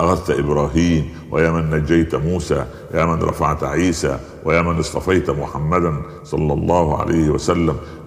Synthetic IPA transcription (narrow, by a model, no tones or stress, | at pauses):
ʔaxæðt̪ʔɪbɾɑːɦiːm | wɪ̰jaːmanːad͡ʒːajt̪muːsaː | jaːmanɾˤʔɑ̰fa̰ʕt̪ʕiːsa̰ː | wɪjaːmanɨsˤt̪ˤɑfɑjt̪mʊħamːæd̪an | sˤɑlːɑlˤːɑːhʕa̰lʔajhɪwæ̰sælːæm